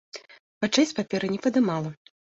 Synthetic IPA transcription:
pat͡ʂɛsʲpapʲɛɾɨnʲɛpɐd̪ɨmalˠɐ

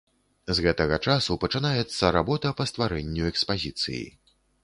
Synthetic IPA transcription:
zɣɛt̪ɐɣɐt͡ʂasupɐt͡ʂɨnajɛt̪sːɐɾabɔt̪ɐpɐst̪vaɾɛnʲːuɛkspazʲit̪sɨ̰jḭ

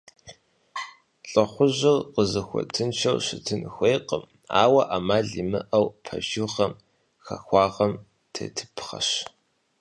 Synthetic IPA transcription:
ɬʼɐχʷʊʑɪrqəzɐxʷɔ̰tʰɨnt͡ʃʰɐwɕɪtʰɨnxʷeːqəm | a̰ːwɐʔamaːɮimɨ̰ʔɐwpʰɐ̰ʒuʁɐm | xɐ̰xʷɑːʁɐm | tʰḛːtʰɨ̥pʰχɐ̰ɕ

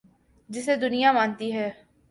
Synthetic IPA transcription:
d͡ʒɪseːd̪ʊnɪjaːmaːnt̪iːɦɛː

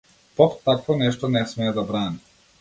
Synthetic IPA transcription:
pɔt̪t̪ːakvɔnɛʃt̪ɔnɛsmɛːd̪abɾani

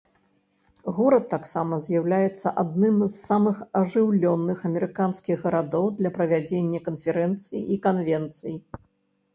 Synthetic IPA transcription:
ɣuɾɐt̪ːaksamɐzʲjawlʲajɛt̪sːɐʔad̪̚nɨmzːamɨxɐʐɨwlʲɔnːɨxɐmʲɛɾɨkanskʲiɣɣɐɾad̪ɔwd̪lʲɐpɾɐvʲad͡zʲenʲːɐkɐnfʲɛɾɛnt̪sɨjḭʔikanvʲɛnt̪sɨji

